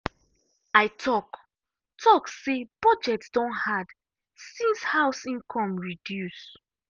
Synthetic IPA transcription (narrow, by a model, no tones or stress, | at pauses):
aɪtʰɔk | tʰɔksebɔd͡ʒɛtsd̥ɔ̃nhad | sĩnshaʊsĩnkʰɔ̃mɹidjus